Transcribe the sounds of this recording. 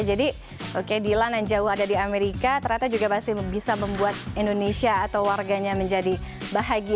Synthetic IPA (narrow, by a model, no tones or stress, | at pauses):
d͡ʒadi | ʔokedilanand͡ʒaʊɦadadiameɾikat̪əɾɲat̪ad͡ʒuɡamasɪbisaməmbuat̪̚indonesiaːt̪awwarɡaɲaməɲd͡ʒadibaɦaɡi